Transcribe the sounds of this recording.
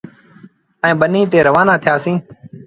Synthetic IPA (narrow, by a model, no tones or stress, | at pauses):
ɛ̃ːɓənĩːt̪eːɾəʋaːnãːt̪ʰɪjaːsĩː